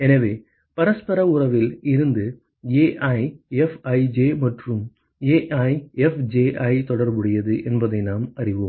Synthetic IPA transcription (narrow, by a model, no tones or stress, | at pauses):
enɐʋe | pɐɾɐspɐɾɐʊrɐʋiliɾund̪ɨ | eːʔɐjefɐjd͡ʑeːmɐʈrum | eːʔɐjefd͡ʑeːʔɐjt̪ɔɽɐrbuɽɪjɐðɨʔenbɐðenaːmɐriʋum